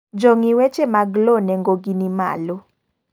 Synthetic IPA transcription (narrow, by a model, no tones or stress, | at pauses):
d͡ʒoŋiwɛt͡ʃemaɡlonɛŋɡoɡinima̰lo